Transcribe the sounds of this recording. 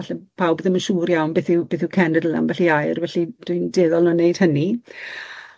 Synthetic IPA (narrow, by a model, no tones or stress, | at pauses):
aɬɛpʰawbɔðɪmənʃuːɾjawnbɪːθɪwb̥eːθɪwkʰɛnədəla̰nvɛɬiajrvɛɬid̥ʊjndeːðɔlˠnɔnejd̥həni